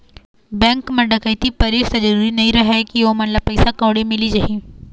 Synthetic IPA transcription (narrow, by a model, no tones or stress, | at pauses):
bɛ̃ːŋkmɐ̃ɖɐkɐit̪ipɐɾiːɾsɐd͡ʒɐɾuːɾinɐɦĩɾɐɦɛkiʋomɐt̪lɐb̚pɐɪsakõːɽemɪlid͡ʒaɦĩː